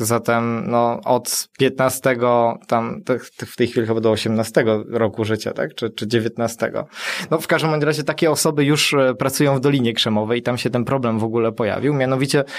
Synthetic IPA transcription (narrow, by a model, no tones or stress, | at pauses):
zat̪ɛmnɔɔt̪pʲjɛt̪nast̪ɛɡɔt̪amt̪ɛt̪ɛft̪ɛjxʲfʲilʲixbad̪ɔːɕɛmnast̪ɛɡɔɾɔkuʐɘt͡ɕa̰t̪a̰kt͡ʂɘt͡ʂɘd͡ʑevʲjɛt̪nast̪ɛ̰ɡɔ̰nɔfkaʐd̪ɛmːɔjmɾaʑɛt̪akʲɛɔsɔbɘjuʂpɾat̪sujɔ̃w̃vd̪ɔlʲiɲɛkʂɛmɔvɛjit̪amɕɛt̪ɛnpɾɔblɛmvɔɡulɛpɔja̰vʲiwmʲjanɔvʲit͡ɕɛ